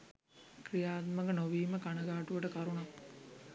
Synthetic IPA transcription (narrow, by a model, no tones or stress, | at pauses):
krijaːt̪məkənoʋiːməkanəɡaːʈuʋəʈəkaɾuna